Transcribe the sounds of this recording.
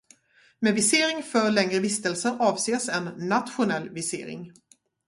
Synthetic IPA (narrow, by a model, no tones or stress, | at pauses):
mɛvɪseːɾɪŋfœɾɭɛŋɾəvɪst̪ɛlsəɾɑːvseːsɛnːat̪ɧʊnɛlːvɪsḛːɾɪ̰ŋ